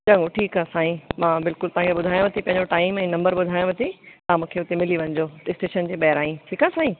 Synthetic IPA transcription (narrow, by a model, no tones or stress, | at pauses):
t͡ɕɐ̃ŋoʈʰiːkaːsaːɦĩmãːbɪlkʊlt̪ɐɦãkʰeɓʊd̪ʱaːjõʋɐt̪ʰipɐ̃ɦɪ̃ɲd͡ʑoʈaːɪmɛ̃ːnɐ̃mbəɾɓʊd̪ʱaːjõʋɐt̪ʰit̪ɐɦãmũːkʰeʊt̪emɪliʋɐ̃ɲɪd͡ʑoːɪsʈeːʃənd͡ʑeːɓɐɦɪɾaːĩʈʰiːkaːsaːɦĩ